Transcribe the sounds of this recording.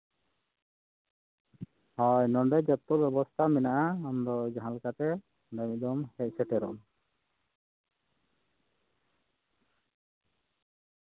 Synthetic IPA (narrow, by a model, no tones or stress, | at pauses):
hɔjnɔɳɖɛd͡ʒɔt̪ːɔʔbjɛbɔst̪ʰamɛnaʔaːmd̪ɔd͡ʒaɦãlkat̪ɛ | dɛmɛʔ̚d̪ɔmhɛc̚ˀsɛʈɛɾɔ̰m